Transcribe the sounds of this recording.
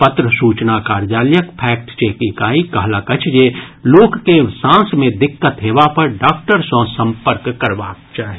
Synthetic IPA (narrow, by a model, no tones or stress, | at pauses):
pət̪ɾəsuːt͡ʃnakaːɾd͡ʒaːljəkpʰɛːk̚ʈt͡ʃeːkikaːikɐɦlakɐt͡ʃʰd͡ʒeloːkːesãːsmẽd̪ɪkːət̪ɦeːʋapɐɾɖaːkʈəɾsõsɐ̃mpəɾkːɐɾʋaːk̚t͡ʃaːɦi